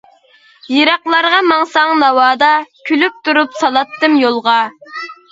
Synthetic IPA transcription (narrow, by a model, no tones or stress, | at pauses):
jeɾɑqlˠɑɾʁɑmɑŋsɑŋnɑwɑːd̪ɑkʲʰylyp̚t̪ʰuɾupsɑlˠɑt̪ːɨmjolˠʁɑ